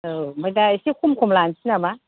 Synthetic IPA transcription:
ɯmajdaesikʰumkʰumlansʰinama

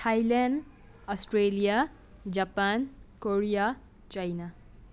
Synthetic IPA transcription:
ʈʰajlan | ɔsʈɾelija | d͡ʒapankoɾija | t͡ʃajna

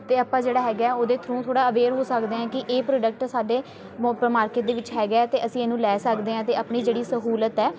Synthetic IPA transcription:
t̪eːəpãːd͡ʒeːɽaːɦɛːɡaːɛːoːd̪eːt̪ʰɾũːt̪ʰoːɽaːəʋeːɾɦoːsəkd̪eːãːkɪʔeːpɾoːɖək̚ʈsaːɖeː | pmaːɾkɪʈ̚d̪eːʋɪt͡ʃɦɛːɡaːɛt̪eːəsĩːeːnũːlɛːsəkd̪eːɦãːt̪eːəpɳiːd͡ʒeːɽiːsəɦuːlət̪ɛː

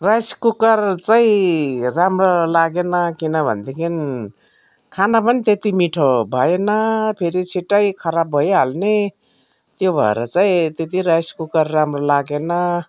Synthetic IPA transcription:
rajskukʌrt͡saĩramrolaɡenʌkinʌbʱʌ̰nd̪ekʰin | kʰanap̬ʌnit̪et̪imiʈʰobʱʌjenʌpʰeɾit͡sʰiʈʌjkʰʌɾabʱʌjɦalne | t̪jobʱʌ̰ḛɾʌ̰t͡saĩt̪et̪iɾajskukʌrːamrolaɡenʌ

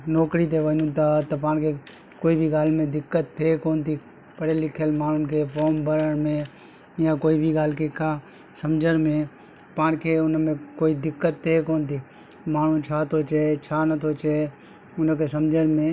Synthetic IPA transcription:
noːkɾit̪̬eʋənũt̪aːt̪əpãːnkʰe | koːibʱiɡaːlmẽd̪ɪkːət̪ːʰekoːnt̪iː | pəɽelɪkʰəlmaːɳ̤ʊnkʰeːpoːmbəɾəɽmẽ | jãːkoːiːbʱiɡaːlkekãː | səmd͡ʒʱəɽmẽː | paːnkʰeːʊnmẽːkoːid̪ɪkːət̪ʰːeːkoːnt̪iː | maːɳ̤ũt͡ʃʰaːt̪ʰot͡ʃet͡ʃʰaːnət̪ʰot͡ʃe | ʊnkeːsəmd͡ʒʱənmẽː

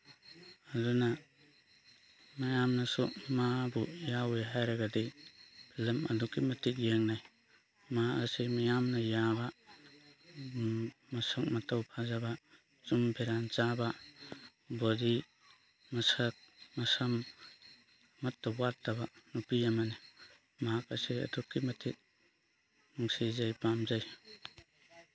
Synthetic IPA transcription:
aduna | majamnasumabujaweɦajɾaɡadibʰilɐmɐ̰dukːimɐtʰik̬̚jeŋnaj | maasimajamnɐjaba | mɐsɐk̚mɐtawpʰazaba | t͡ʃumbʰʱeɾant͡ʃaba | bɔdi | mɐsɐk̚mɐsam | ɐtːawwatːabanupijamani | makasiɐ̰dukːimɐtʰit̚ | nuŋsizajpamzaj

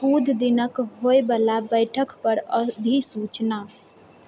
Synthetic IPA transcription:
kud̪ʱd̪inəkɦoebəlabəjʈʰəkpəɾəd̪ʱisut͡ʃna

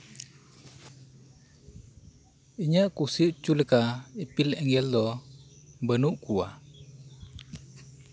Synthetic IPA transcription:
iɲaʔkusiʔt͡ʃuləkaipilɛŋɡɛld̪ɔ | bənuʔkua

